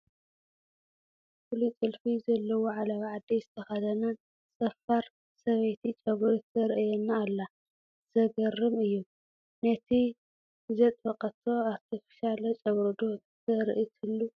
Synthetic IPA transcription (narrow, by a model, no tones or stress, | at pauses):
fulit͡sʼɨlfizɐlːɐwoʕalɐβʕad̪ːizɨt̪ʰɐxɐd̪ɐnɐn | t͡sʼɐfaɾ | sɐβejt̪ʰit͡ʃʼɐβɾot̪ʰɐɾɨʔjɛnːaːlːa | z̥ɐɡɐrɨmɨjːu | nɐt̪ʰi | ɨzɐt̪ʼbɐqʼɐt̪ʰo̞at̪ʰɐfɐ̥ʃalɐt͡ʃʼɐβɾd̪o | t̪ʰɐɾɨ̰ʔit̪ʰɨlːu